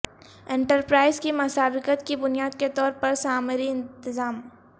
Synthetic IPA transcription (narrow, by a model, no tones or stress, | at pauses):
ẽːɳʈəɾpɾaːɪzkimʊsaːbɪkət̪kibʊnijaːd̪ket̪ɔːɾpɐɾsaːmɾiɪ̃nt̪ɪzaːm